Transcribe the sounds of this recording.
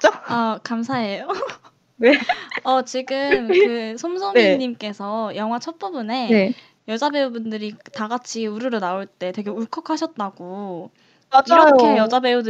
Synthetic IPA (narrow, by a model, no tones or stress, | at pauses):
t͡ɕ͈aakamsʰaɦe̞jo | neʌt͡ɕiɡɯmkɯsʰomsʰoŋiɲimk͈e̞sʰʌjʌŋɦwat͡ɕʰʌp͈ubune̞ne | jʌd͡ʑabe̞ubundɯɾitaɡat͡ɕʰiuɾɯɾonaoɭt͈e̞twe̞ɡe̞uɭkʰʌkʰaɕʰʌt̚t͈aɡ̥o | aaʌjkoejʌd͡ʑabe̞udɯ